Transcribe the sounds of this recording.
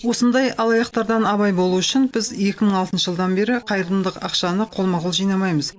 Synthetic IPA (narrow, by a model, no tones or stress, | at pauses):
wo̞sənd̪ɑjɑlˠɑjɑqt̪ɑɾd̪ɑnɑβɑjbo̞lˠuʏʃɪnbɪze̞kʲɪməɴɑlˠt̪ənʃəʒəlˠd̪ɑnbe̞ɾɪqʰɑjɾənd̪əqɑqʃɑnəqʰo̞lˠmɑʁʊlˠʒijnɑmɑjməz